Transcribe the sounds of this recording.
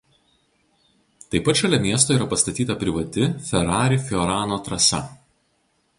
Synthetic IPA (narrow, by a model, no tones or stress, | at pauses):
t̪ɐɪpːɐt̪ʃʲɐlʲɛmʲiɛst̪oːiːɾɐpɐst̪ɐt̪ʲiːt̪ɐpʲɾʲɪʋɐt̪ʲɪfʲɛɾɑːɾʲɪfʲɪɔɾɑːnoːt̪ɾɐsɐ̰